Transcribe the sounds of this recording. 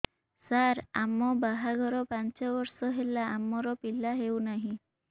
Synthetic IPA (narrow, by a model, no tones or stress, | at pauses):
saɾamɔbaɦaɡʱɔɾɔpant͡ʃɔbɔɾsɔɦelaːmɔɾɔpilaɦewnaɦĩ